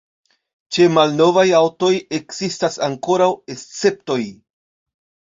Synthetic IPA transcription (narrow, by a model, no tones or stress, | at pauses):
t͡ʃe̞malno̞vajawto̞je̞kz̥istasaŋko̞ɾawe̞st͡se̞p̚to̞j